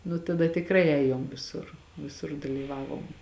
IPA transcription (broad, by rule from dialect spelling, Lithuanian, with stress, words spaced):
nʊ tɐˈdɐ tʲɪkˈrɐɪ ˈɛːjoːm ʋʲɪˈsʊr ʋʲɪˈsʊr dɐlʲiːˈʋɑːʋoːm